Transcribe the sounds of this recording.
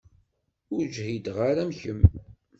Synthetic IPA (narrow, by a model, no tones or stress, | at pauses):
ʊɾd͡ʒhid̪ʁaɾæmçəm